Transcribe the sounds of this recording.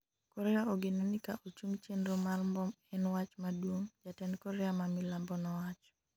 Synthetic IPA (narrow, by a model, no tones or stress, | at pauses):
kɔɾɛaoɡɪnɔnikaʔot͡ʃuŋɡt͡ʃenɾomalmbɔmɛnwat͡ʃmadwoŋd͡ʒatɛnkɔɾɛamamilambɔnɔwat͡ʃ